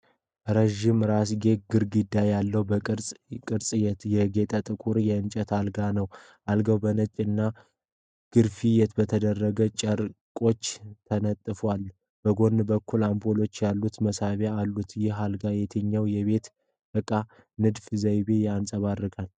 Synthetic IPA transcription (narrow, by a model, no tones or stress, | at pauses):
ɾəʒɪmɾas̬ɡe̞ɡɨɾɡɨd̪ːajalːəwbəkʼɨɾsʼkʼɨɾsʼjɛjɛɡe̞t̪ʼət̪ʼɨkʼuɾjɛɨnt͡ʃʼət̪ʰalɡanəw | alɡəwbənət͡ʃʼːɨnːa | ɡ̥ɨɾfijɛt̪bət̪ʰəd̪ərːəɡət͡ʃʼəɾkʼo̞t͡ʃːt̪ʰənət̪ʼːɨfwal | b̥əɡo̞nːbəkːulambolo̞t͡ʃːjalːut̪məsaβaalːut̪jɪhalɡajɛt̪ʰəɲːawjɛβe̞t̪ | bəkʼːa | nɨd̪fzəjbejansʼəβaɾːɨɡʼal